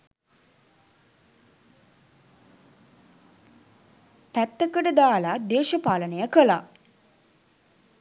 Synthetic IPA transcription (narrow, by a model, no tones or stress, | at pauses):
p̪æt̪ːəkəʈəd̪aːlad̪eːʃəpaːlənejəkəla